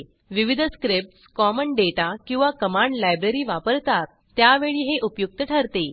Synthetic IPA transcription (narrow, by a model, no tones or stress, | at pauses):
ʋiʋid̪ʱəskɾip̚ʈskɔməɳɖeʈakĩw̃ʋakəmãɳɖlajbɾeɾiːʋapəɾt̪at̪ | t̪ːjaʋeɭiːɦeʔupjuk̚t̪əʈʰəɾt̪e